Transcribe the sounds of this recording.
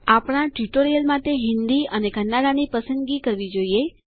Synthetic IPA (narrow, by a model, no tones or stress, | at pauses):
apɽ̃ãʈiʈoɾijəlmaʈeɦɪnd̪iəneɡʱənːaɽanipəsənd̪ɡikəɾʋid͡ʒoie